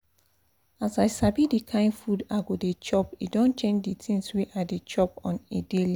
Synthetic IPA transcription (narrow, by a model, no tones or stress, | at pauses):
asaɪsabidikʰãɪ̃nfudaɡodet͡ʃɔpidɔ̃nt͡ʃẽnd͡ʒditʰĩŋsweʔadet͡ʃɔp̚ɔ̃nedeli